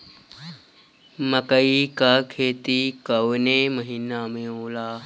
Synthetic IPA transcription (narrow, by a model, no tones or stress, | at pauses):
məkəikakʰeːt̪ikɐʋnẽməɦinamẽõːlaː